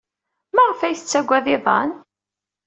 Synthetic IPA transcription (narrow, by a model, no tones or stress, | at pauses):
mæʁfæjθət͡sːæɡʷːæðɪðˤɑ̰n